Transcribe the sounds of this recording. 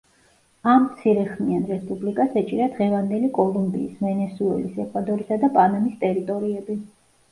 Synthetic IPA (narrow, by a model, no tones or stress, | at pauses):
amt̪sʰiɾɛχmianɾɛspʼublikʼasɛt͡ʃʼiɾad̪ʁɛvand̪ɛlikʼɔlˠumbḭːsvɛnɛsuɛ̰lisɛkʼʰvad̪ɔɾisad̪apʼanamist̪ʼɛɾit̪ʼɔɾiɛbi